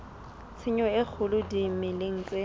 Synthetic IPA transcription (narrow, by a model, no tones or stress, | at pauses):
t͡sʰɪɲɔɪk͡xʰʊlʊdimɪlɪŋ̩ːt͡sʼwe